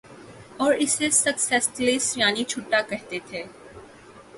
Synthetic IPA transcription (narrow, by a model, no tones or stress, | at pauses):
ɔːɾɪsesɐksɛslisjaːnit͡ʃʰʊʈːakɛɦt̪et̪ʰeː